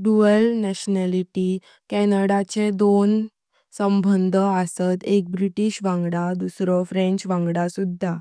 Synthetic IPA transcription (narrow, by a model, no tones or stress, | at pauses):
ɖuəlnɛɕnɛliʈi | kɛnəɽat͡ɕed̪on | səmbʱənd̪ʱəasət̪ek̚bɾiʈiɕʋãŋɡɽad̪usɾɔfɾẽɲt͡ɕʋãŋɡɽasud̪ʱːa